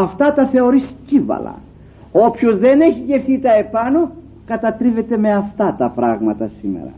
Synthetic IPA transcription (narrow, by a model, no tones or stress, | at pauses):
ɐft̪ɐt̪ɐθe̞o̞ɾiscivɐ̰lɐ̰ | o̞pçozðe̞neçiʝe̞fθit̪ɐe̞pɐno | kɐt̪ɐt̪ɾive̞t̪e̞me̞ɐft̪ɐt̪ɐpɾɐɣmɐt̪ɐsime̞̰ɾɐ̰